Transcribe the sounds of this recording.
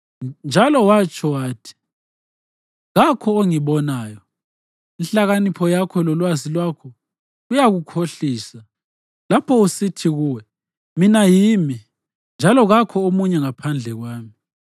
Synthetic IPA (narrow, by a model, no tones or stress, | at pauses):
nd͡ʒʱalɔwat͡ʃʰʼɔwaːtʰi̥ | ɣakʰɔoŋiβɔnaːjɔ | inɬaɣanipʰɔjakʰɔlɔlwazilwakʰɔ | ɣujaɣukʰoɬiːsa | lapʰɔusitʰiɣuːwɛ | minajiːmi | nd͡ʒʱalɔɣakʰɔomuɲɛŋapʰand͡ɮʱɛɣwaːmi